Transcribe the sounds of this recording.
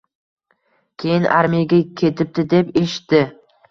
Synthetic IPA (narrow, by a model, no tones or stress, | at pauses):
kʲʰe̞jɪnʔa̰ɾmijaɡʲakʲʰe̞t̪ʰɪp̚d̪ɪd̪e̞pe̞ʃɪ̥t̪ːɪ